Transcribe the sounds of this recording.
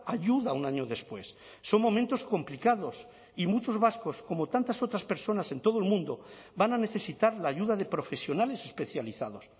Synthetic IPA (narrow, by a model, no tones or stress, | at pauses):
aʝuðaunaɲoðe̞spwe̞sː | o̞ŋmõ̞mẽnt̪o̞sko̞mplikaðo̞s | imut͡ʃo̞zβasko̞sko̞mot̪ant̪aso̞t̪ɾaspe̞ɾso̞nase̞nt̪o̞ð̞oelmũnd̪o̞banane̞θe̞sit̪aɾlaːʝuðaðe̞pɾo̞fe̞sjo̞nale̞se̞spe̞θjaliθað̞o̞s